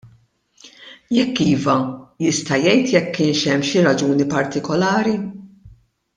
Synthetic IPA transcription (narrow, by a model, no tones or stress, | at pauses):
jɛkːiːvɐjɪst̪ɐjɛjt̪jɛkːɪːnʃɛmːʃiɾɐd͡ʒuːnipɐɾt̪ɪkɔlɐːɾi